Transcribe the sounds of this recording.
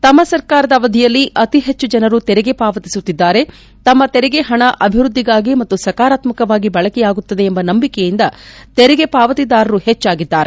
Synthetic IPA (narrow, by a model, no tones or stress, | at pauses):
t̪ɐmːɐsɐɾkaːɾɐd̪ɐʋɐd̪ʱijɐlːiʔɐt̪iɦe̞t͡ʃːud͡ʒɐnɐɾut̪ɛɾɛɡe̞paːʋɐt̪isut̪ːid̪ːaːɾe̞ | t̪ɐmːɐt̪ɛɾɛɡeɦɐɳɐʔʔɐbʱiʋɾud̪ʱːiɡaːɡimɐt̪ːusɐkaːɾaːt̪mɐkɐʋaːɡibɐɭɐkɛjaːɡut̪ːɐd̪e̞ːmbɐnɐmbikɛjind̪ɐt̪ɛɾɛɡe̞paːʋɐt̪id̪aːɾɐɾuhet͡ʃːaːɡid̪ːaːɾe